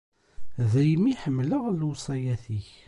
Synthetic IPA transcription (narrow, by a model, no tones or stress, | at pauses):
ðæjmiħəmːləʁlwsˤɑjæθiç